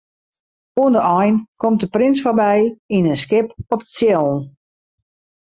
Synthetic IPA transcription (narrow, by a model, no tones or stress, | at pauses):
uəndəʔɔjnkʰɔmt̚dəprɪnsfɔrbɛjinənskɪpɔpəsjɛlˠn